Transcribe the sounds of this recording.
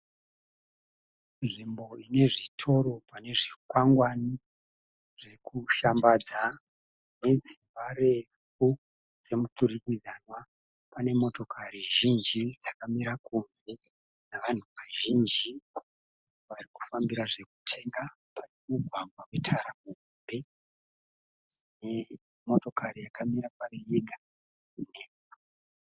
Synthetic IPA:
nʐimbo̞ine̞ʐitʰo̞ɾo̞pane̞ʐikwaŋɡwani | ʐe̞kuʃambad͡za | ne̞d͡zi | aɾe̞ | fu | d͡ze̞mutuɾikid͡zanwa | pane̞mo̞to̞kʰaɾiʒind͡ʒid͡zakamiɾakunze̞ | naʋan̤uʋaʒind͡ʒi | ʋariku̥fambiɾaʐe̞ku̥tʰeŋɡa | pane̞muɡʱwaŋʱwawe̞tʰaɾamuumbe | ne | mo̞to̞kʰaɾijakamiɾaparejeɡʱa | ne

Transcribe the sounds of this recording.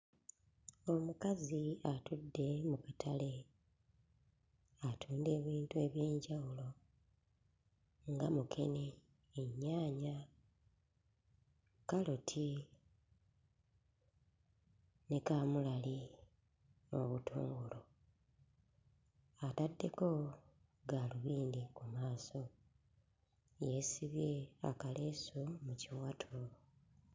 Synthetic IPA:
o̞mukaziatudːe̞mukatʰale̞ | atʰuːnde̞ːβiːntue̞βje̞ːɲɟawulo̞ | ŋɡamukʰe̞ne̞ː | ɲːaːɲa | kalotʰi | ne̞kamulali | o̰βutʰṵːŋɡulo | atadːe̞ko̞ | ɡaːluβiːndikumaːso̞ | je̞siβje̞a̰kaleːsumuciwatʰo

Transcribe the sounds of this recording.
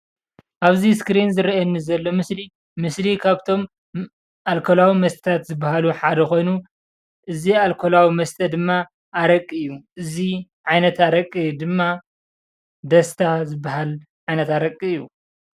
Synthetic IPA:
ʔaβziskɾinzɨɾiɐnːizɐlːo̞mɨsli | mɨslikʰaβt̪ʰo̞m | ʔalkʰolawimɐst̪ʰɐ̥t̪ʰat̪zɨbːahaluħad̪ɐxo̞jnu | ʔɨzialkʰo̞lawimɐst̪ʰɐd̪ɨmːaː | ɾɐkʼːiɨjːuʔɨziʕajnɐt̪aɾɐkʼːid̪ɨmːa | d̪ɐst̪ʰazɨbːaɦal | ʕajnɐt̪aɾɐkʼːijːu

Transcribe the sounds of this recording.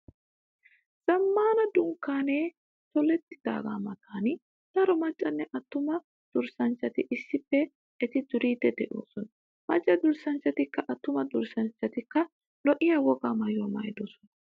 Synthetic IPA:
z̥ɐmːaːnɐd̪ʊŋkːaːneː | t̪ɔlɛt̪ːɪd̪̥a̰ːɡa̰ːmɐt̪aːnɪ | d̪̥ɐɾɔmɐt͡ʃʼːɐnːɛʔɐt̪ːʊmɐ | d̪̥ʊɾsɐnt͡ʃːɐt̪ɪʔɪsːɪpːɛ | ɛt̪ɪd̪ʊɾiːt̪ːɛd̪ɛʔo̰ːsɔnɐ | mɐt͡ʃʼːɐd̪ʊɾsɐnt͡ʃːɐt̪ɪkːɐʔɐt̪ːʊmɐd̪ʊɾsɐnt͡ʃːɐt̪ɪkːɐ | lɔʔɪjɐwɔɡaːmɐjomɐjd̪oːsɔnɐ

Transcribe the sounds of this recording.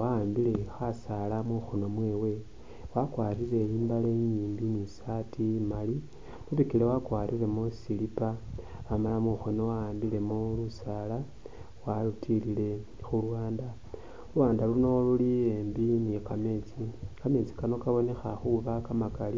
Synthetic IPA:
waaːmbile̞xasalamuxono̞mwe̞ːwe̞ | wakwaːriɾe̞iːmbaleɲiːmbinisatʰimali | muβikilewakwaːɾiɾe̞musilipa | wamalamuxono̞waaːmbile̞mulusaːla | walutʰilile̞ | xulwaːnda | waːndaluno̞luliembinikame̞t͡sikame̞t͡si̥kano̞kaβo̞ne̞xaxuβakamakali

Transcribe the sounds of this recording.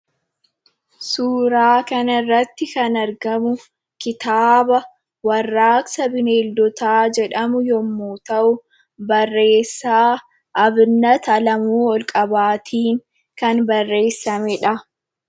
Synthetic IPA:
suːɾaːkɐnɐɪrːɐt̪ːɪkɐnɐɾɡɐmʊ | kɪt̪aːbɐ | wɐrːaːksɐbɪneːld̪ɔt̪aːd͡ʒɛᶑɐmʊjɔmːuːt̪ɐʔʊ | bɐrːeːsːaː | ʔɐbnːɐt̪ɐlɐmuːɔlkʼɐbaːt̪ʰiːŋ | kɐnbɐrːe̞ːsːɐmɛᶑɐ

